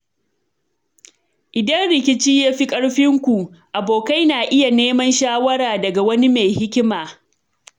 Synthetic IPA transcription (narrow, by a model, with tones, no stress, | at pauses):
ʔɪ˨dɐ˦nɽɪ˨kʲɪ˦t͡ʃiː˦jaː˦ɸi˦kʼɐ˦ɽɸɪ˦ŋkʷu˨ʔʔa˨boː˨ka˦jnaː˨ʔɪ˦ja˨neː˦mɐ˦nʃaː˦wɐ˦ɾaː˨dɐ˨ɡa˨wɐ˦ni˦me˨jhɪ˦kʲɪ˦maː˨